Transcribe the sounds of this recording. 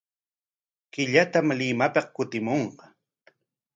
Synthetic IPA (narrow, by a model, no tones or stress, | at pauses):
kɪʎat̪amlɪmapɑqkʊt̪ɪmoɴqɑ